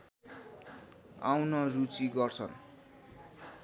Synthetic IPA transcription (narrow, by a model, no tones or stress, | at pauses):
awnʌrut͡siɡʌrt͡sʰʌn